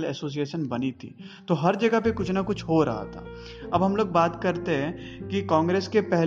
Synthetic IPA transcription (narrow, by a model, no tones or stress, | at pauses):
lɛ̰ːsoːs̬ieːʃənbɐnit̪ʰḭː | t̪oɦɐɾd͡ʒɐɡəɦpekʊt͡ʃʰnakʊt͡ʃʰɦoɾɐ̰ɦa̰t̪ʰa̰ː | ɐbɦɐmloːɡ̚baːt̪kɐɾt̪eɦɛ̃kikãːŋɡɾeːskepɛɦ